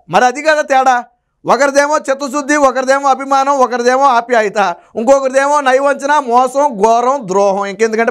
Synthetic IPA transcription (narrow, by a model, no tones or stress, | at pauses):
mɐɾiɐd̪ʱikaːɾɐt̪ɛːɽaː | ɔkɐɾɐd̪eːmoːt͡ʃet̪̬ːɐs̬ud̪ʱːiɔkɐɾɐd̪eːmoːɐbʱimaːnɐmɔkɐɾid̪eːmoaːpjaːjit̪aː | uŋkoːkɐɾid̪eːmoːnɐjʋɐɲt͡ʃɐnamɔːsɐmɡɔːɾɐmd̪ɾɔːɦɐmeŋkend̪ukɐɳʈe